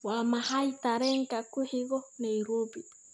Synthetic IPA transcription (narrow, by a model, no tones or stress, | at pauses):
wamahajt̪aɾeŋkakuhiɡonejɾubi